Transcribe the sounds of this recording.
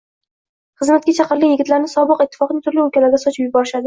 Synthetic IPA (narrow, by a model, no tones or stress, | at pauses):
χɨzmat̪̚kʲat͡ʃʰɑqɨɾlijɪɡʲɪt̪laɾnɪsɒbɨqɪt̪ʰːɪ̥fɒqnɪŋt̪ʰʊɾlɪʊkʲʰalaɾɡ̪ʲasɒt͡ʃʰɪpjʊbɒɾɪʃad̪ɪ